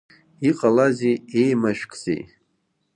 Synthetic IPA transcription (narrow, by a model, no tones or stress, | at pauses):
iqʼalaziejmaʃᶣkʰʼzḛj